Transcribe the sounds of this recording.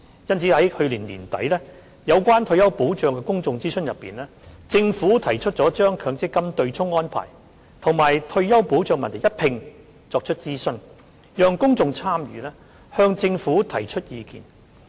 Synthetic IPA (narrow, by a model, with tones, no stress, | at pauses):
jɐ˥nt͡sʰiː˨˥hɐ˨˥jhɵ˧liː˨˩nliː˨˩nt̪ɐ˨˥jlɛː˥ | jɐ˨˧wkʷaː˥nt̪ʰɵ˧ɥjɐ˥wpuː˨˥wt͡ʃœː˧ŋkɛː˧kʊ˥ŋt͡sʊ˧ŋt͡siː˥sɵ˥njɐ˨pːiː˨nlɛː˥t͡sɪ˧ŋfuː˨˥t̪ʰɐ˨˩jt͡ʃʰɵ˥t̚t͡sɔː˨˥t͡ʃœː˥ŋkʰœː˨˧ŋt͡sɪ˥kːɐ˥mt̪ɵ˧ɥt͡sʰʊ˥ŋːɔː˥npʰa̰ː˨˩j | t̪ʰʊ˨˩ŋmaː˨˩jt̪ʰɵ˧ɥjɐ˥wpuː˨˥wt͡ʃœː˧ŋmɐ˨nt̪ʰjɐ˥t̚pʰɪ˨˧ŋ | t͡sɔː˧k̚t͡ʃʰɵ˥t̚t͡siː˥sɵ˥n | jœː˧ŋkʊ˥ŋt͡sʊ˧ŋt͡sʰaː˥mjyː˨˧lɛː˥ | hœː˧ŋt͡sɪ˧ŋfuː˨˥t̪ʰɐ˨˩jt͡ʃʰɵ˥t̚jiː˨˧kḭː˨˩n